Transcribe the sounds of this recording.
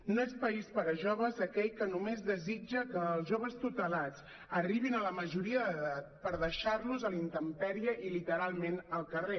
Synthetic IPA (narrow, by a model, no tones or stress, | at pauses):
noespəispəɾəʒoβəzəkɛʎkənumezðəzid͡ʒəkəːlˠzʒoβ̞əst̪ut̪əlat͡s | əriβ̞inələməʒuɾiəðəðat̪̚pəɾðəʃaɾluzəlint̪əmpɛɾiəʔilit̪əɾalˠmenəlˠkəre